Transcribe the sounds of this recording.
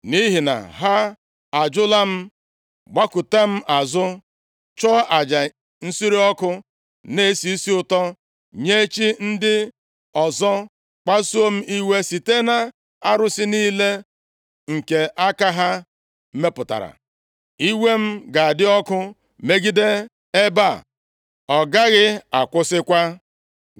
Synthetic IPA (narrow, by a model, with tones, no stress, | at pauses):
ni˦ɦi˨na̰˨ɦa˦ | a˨d͡ʒʊ˦la˦m̩˦ | ɡ͡ba˦kʊ˨te˦m̩˦ʔa˨zʊ˦ | t͡ʃɔ˦a˨d͡ʒa˨ | n̩˦si˦ɾi˦ɔ˦kʊ˦ | ne˦si˦si˦ʊ˨tɔ˦ | ɲe˦t͡ʃi˦n̩˦dɪ˦ | ɔ˨zɔ˦ | k͡pa˦su˦o˦m̩˦ʔi˦we˦si˨te˦na˨ | a˦ɾʊ˦sɪ˦niː˦le˦ | ŋ̩˨ke˨ʔa˦ka˦ɦa˦ | me˦pʊ˨ta̰˨ɾa̰˨ | i˦we˦m̩˦ɡa˨a˨dɪ˦ɔ˦kʊ˦ | me˦ɡi˦de˦ | e˦ba˦˨ | ɔ˨ɡa˦ɣɪ˦a˨kʷʊ˦sɪ˦kʷa˦